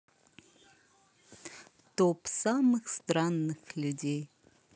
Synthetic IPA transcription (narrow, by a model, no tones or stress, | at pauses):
t̪opsamɨxst̪ɾanːɨxlʲudʲej